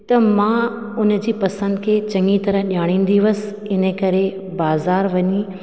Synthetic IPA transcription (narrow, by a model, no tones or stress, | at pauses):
t̪ɐmãː | ʊn̆d͡ʑiːpɐsə̃nd̪kʰeːt͡ɕɐ̃ŋɡit̪ɐɾəɦɗjaːɽ̃ĩːn̆d̪iʋɐs | ɪnəkɐɾe | baːzaːɾʋɐɲi